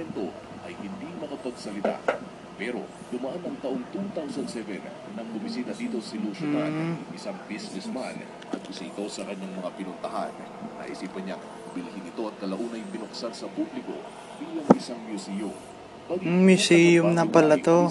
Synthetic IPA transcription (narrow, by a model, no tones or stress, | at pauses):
ɛnt̪o̞̰ | ʔɐjhɪnd̪imɐkɐpɐɡsɐlɪt̪a̰ | pɛɾo̰ | d̪ʊmɐʔanɐŋt̪ɐʔo̞ŋt̪uŋt̪awsɐnsɛvɛn | nɐŋbʊmɪsiːt̪ɐd̪iːt̪o̞sɪluʃonanŋɪsaŋbisnɛsman | ʔɐt̪̚ʊsɐɪt̪o̞sɐkɐɲaŋmɐŋapɪnʊnt̪ɐɦa̰n | ɐ̰ʔḭsiːpɐnɲɐŋ | bɪlɐhinɪt̪o̞ʔɐt̪̚kɐlɐʔuːnɐjbɪnoksansɐpublɪko̞̰ | biːlɐŋɪsaŋmjusijʊm | mɐɡmjʊsijʊmnɐpɐlɐt̪o